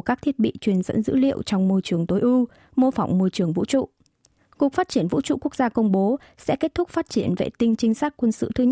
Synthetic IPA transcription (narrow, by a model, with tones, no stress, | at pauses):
kaː˦˥k̚t̪ʰi˦˥t̚ɓḭ˧˨t͡ɕwi˨˩ənzə̰˧˥nzɨ̰˧˥lḭ˧˨əwt͡ɕɔ˧wŋ͡mmo˧jt͡ɕɨ˨˩əŋt̪o˨˦jʔu˧ | mo˧fa˨˩wŋ͡mmo˧jt͡ɕɨ˨˩əŋvṵ˧˥t͡ɕṵ˧˨ | ku˨˩ək̚faː˦˥t̚t͡ɕi˧˩ənvṵ˧˥t͡ɕṵ˧˨ku˦˥ək̚zaː˧kə˧wŋ͡mɓo˨˦ | sɛ̰˧˥ke˦˥t̚t̪ʰʊ˦˥k͡p̚faː˦˥t̚t͡ɕi˧˩ənvḛ˧˨˩t̪ï˧ŋ̟t͡ɕï˨˧ŋ̟saː˦˥k̚kwə˧nsɨ̰˧˨t̪ʰɨ˧˦